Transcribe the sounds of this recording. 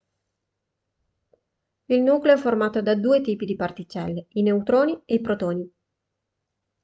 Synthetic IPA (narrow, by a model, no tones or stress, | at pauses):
ilnuːkleoɛfːormaːt̪od̪ad̪uːet̪iːpid̪ipart̪it͡ʃɛlːeineut̪ɾoːnieipɾot̪oːni